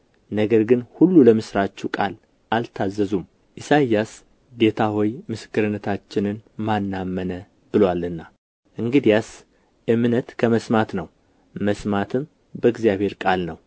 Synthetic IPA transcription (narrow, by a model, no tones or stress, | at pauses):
nəɡəɾɡɨnhulːuləmɨsɾat͡ʃːukʼal | ʔalt̪ʰazːəzum | ʔisajːas | d̪e̞t̪ʰahojmɨsɨ̥kːɨɾɨnːət̪ʰat͡ʃːɪnɨnmanːamːənə | b̥ɨlwalːɨnːa | ʔɨŋɡɨd̪ijas | ʔɨmnət̪kʰəməsmat̪nəw | məsmat̪ʰɨm | bəɨɡzijaβhe̞ɾkʼalnəw